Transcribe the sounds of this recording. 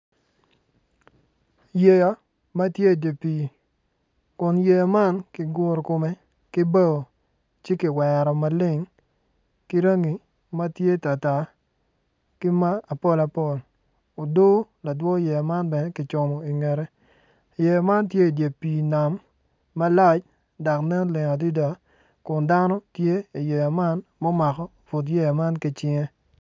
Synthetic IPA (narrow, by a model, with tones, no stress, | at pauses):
je˨ja˨˦ | ma˦tje˦˨de˨piː˨ | kʊ˨nje˨jma˦nkɪ˨ɡʊ˦ɾkʊ˨mɛ˦ | kɪ˦bɛ˦o˨ | t͡ʃe˦kɪ˨wɛ˨ɾɔ˨ma˨lɪ˦ŋ | kɪ˦ɾa˦ŋi˨ | ma˦tje˦ta˨ta˨ | kɪ˦ma˦a˨pɔ˦la˨pɔ˦˨l | o˨do˦la˨dwɔ˦jɛ˨ma˦nbɛ˨nɛ˦kɪ˨t͡ʃɔ˨mɔ˨i˨ŋɛ˨ɾɛ˦˨ | jɛ˨jma˦ntje˦i˨dje˨piː˨na˨mː | a˦la˦t͡ʃ | da˨knɛ˦nlɪ˨ŋa˨di˦da˨ | kʊ˨nda˦nɔ˦tje˦i˨jɛ˨ja˨ma˦nmɔ˦ma˨kɔ˦˨fu˨t̬jɛ˦a˨ma˦nkɪ˨t͡ʃɪ˦ŋɛ˦